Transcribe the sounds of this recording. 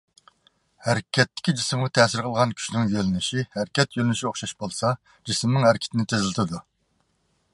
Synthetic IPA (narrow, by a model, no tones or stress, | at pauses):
hæɾkʲʰɛt̪ːɪ̥kʲid͡ʒisɪmʁɑt̪ʰɛsɪɾqʰəlˠʁɑnkʲʰy̥ʃnɪŋjølynɪʃihæɾkʲɛt̪jølɪnyʃioχʃɑʃbolˠsɑ | d͡ʒismnɨɪŋhæɾɪkʲʰɪ̥t̪ʰɪnɪt̪ʰezɪlɪt̪ʰɪd̪u